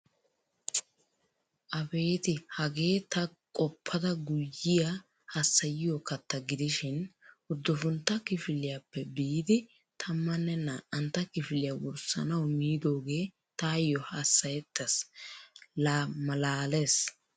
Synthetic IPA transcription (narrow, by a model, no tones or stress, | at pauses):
ʔɐbe̞ːt̪ɪhɐɡe̞ːt̪ɐkʼɔpʰːɐd̪ɐɡʊjːɪja | hɐsːɐjɪjokɐt̪ːɐɡɪd̪ɪʃɪn | ʊd̪ːɔfʊnt̪ːɐkɪfɪlɪjapːɛbiːd̪ɪ | t̪ʰɐmːɐnːɛnːɐʔɐnt̪ːɐkɪfɪlɪjɐwɔɾsɐ̰nɐwmiːd̪o̞ːɡe̞ː | t̪ajːɔhɐsːɐjɛt̪ːɐs | laːmɐlaːles